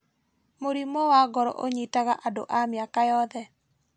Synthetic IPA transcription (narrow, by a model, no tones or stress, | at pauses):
moɾimɔwaɡɔɾɔ̰ʔoɲitaɣaʔado̰ʔamjakajɔðɛ